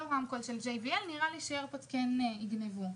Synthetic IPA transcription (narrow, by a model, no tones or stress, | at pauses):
oʁamkolʃeld͡ʒejviɛlniʁaliʃeeʁpatkeniɡnevu